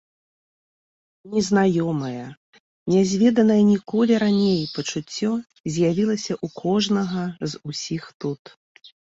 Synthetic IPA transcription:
nʲɛznajɔmɐjɐ | nʲɛzʲvʲɛd̪ɐnɐjɐnʲikɔlʲiɾanʲejpɐt͡ʂut͡sʲːɔ | zʲjavʲilˠɐsʲɐʔukʰɔʐnɐɣɐzusʲixt̪ut̪

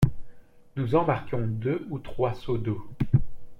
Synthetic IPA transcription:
nuzɑ̃maʁkɔ̃d̪øut̪χwasod̪o

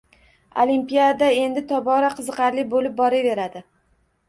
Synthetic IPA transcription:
o̰limpijad̪ad̪ae̞nd̪ɪt̪ʰɒbɒɾaqʰɨzɨqʰɑɾlɪbolɪp̚bɒɾave̞ɾad̪ɪ

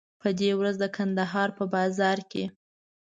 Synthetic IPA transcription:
pəd̪ewɾazd̪əkʰand̪aɦɑɾpəbɑzɑɾkḛ

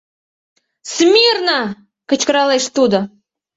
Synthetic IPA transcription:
smʲirnə | kə̆t͡ɕkəɾɑleʃt̪ud̪ə̆

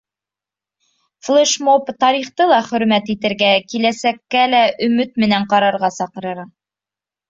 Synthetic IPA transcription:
flˠeʃmopt̪ɑɾiχt̪ɤlˠɑχɵ̆ɾmæt̪it̪ɘ̆ɾɡækilæsækːælæʔɵ̆mɵt̪̚mɘ̆næɴqɑɾɑɾʁɑsɑqɤ̆ɾɤɾɑ

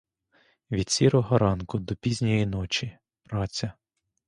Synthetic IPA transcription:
ʋʲid̪ʲsʲiɾɔɦɔɾɑnkʊd̪ɔpʲizʲnʲɔjinɔt͡ʃi | ɾɑt͡sʲɐ

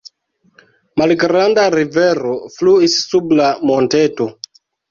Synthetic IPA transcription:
malɡɾandaɾiveɾofluisːublamonteto

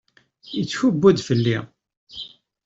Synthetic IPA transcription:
ət͡sːçʊbːud̪fəlːi

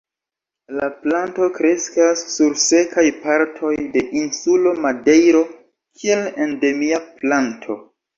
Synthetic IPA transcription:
laplanto̞kɾe̞skasːuɾse̞kajpaɾtʰo̞jde̞ʔinsulo̞made̞jɾo̞ | kʰie̞lende̞miaplantʰo̞̰

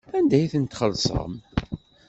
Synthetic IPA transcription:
ænd̪æjθənt̪χəlːsˤə̰m

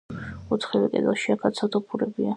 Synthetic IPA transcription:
ɔt̪ʰχɛvɛkʼɛ̰d̪aʃiakʰat̪sʰat̪ʰɔpʰuɾɛbia

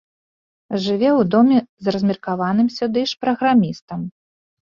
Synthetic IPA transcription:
ʐɨvʲɛwd̪ɔmʲɛzrɐzʲmʲirkavanɨmsʲud̪ɨʂpɾɐɣɾamʲist̪ɐm

